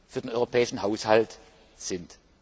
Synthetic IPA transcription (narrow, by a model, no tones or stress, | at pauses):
fyːɐdenʔɔʏʁopʰɛːɪʃn̩haʊshalt | z̥ɪnt